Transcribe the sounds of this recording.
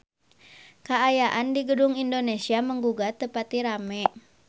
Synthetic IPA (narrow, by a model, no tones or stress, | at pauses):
kaːjaʔandiɡədʊŋindonesiaməŋɡuɡat̪əpat̪iɾamɛ